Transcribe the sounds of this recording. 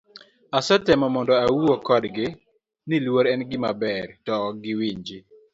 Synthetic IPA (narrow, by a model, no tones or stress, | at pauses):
asɛtɛmɔmɔndɔawuokɔdɡɪ | nɪlwoɾɛnɡɪmabɛɾtɔɡɪwiɲd͡ʒɪ